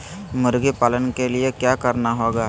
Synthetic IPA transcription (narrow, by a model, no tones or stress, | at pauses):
mʊɾɡepaːlənkelɪekjaːkəɾnaɦoːɡaː